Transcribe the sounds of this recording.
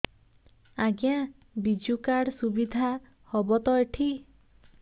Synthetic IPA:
aɡjã | bid͡ʒukaɽsubid̪ʱa | hɔbɔt̪ɔjʈʰi

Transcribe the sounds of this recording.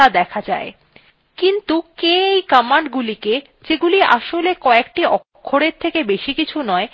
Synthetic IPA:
ad̪ɛkʰad͡ʑae | kint̪ukeejkamaɳɖɡulike | d͡ʑeɡuliʔa̰ʃolekɔek̚ʈiʔɔkkʰːoɽeɾt̪ʰekebeʃikit͡ɕʰunɔe

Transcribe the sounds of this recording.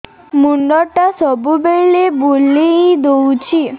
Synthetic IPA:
muɳɖɔʈasɔbubelebulijd̪owt͡ʃʰi

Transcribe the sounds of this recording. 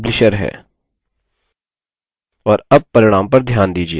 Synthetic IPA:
blɪʃəɾɦɛ̰ː | ɔːɾɐb̚pɐɾɪɽ̃aːmpɐɾd̪ʱjaːnd̪iːd͡ʒie

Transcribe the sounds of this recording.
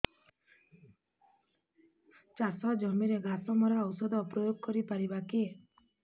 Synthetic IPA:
t͡ʃasɔd͡ʒɔmiɾeɡasɔmɔɾaːwsɔd̪ɔpɾɔjoɡ̚kɔɾipaɾibaki

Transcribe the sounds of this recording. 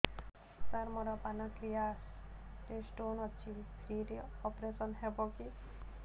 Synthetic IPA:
saɾmɔɾɔpanɔkɾijasɾesʈonɔt͡ʃʰipʰɾiɾeɔpɾesɔnɦebɔki

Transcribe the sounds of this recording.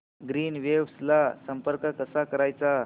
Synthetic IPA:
ɡɾiːnʋeʋslasəmpəɾkəkəsakəɾajt͡sa

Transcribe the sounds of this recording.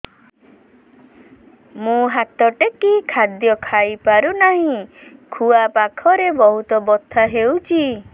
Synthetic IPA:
mũɦat̪ɔʈekikʰad̪jɔkʰajpaɾunaɦĩkʰuapakʰɔɾebɔɦut̪ɔbɔt̪ʰːaɦewt͡ʃʰi

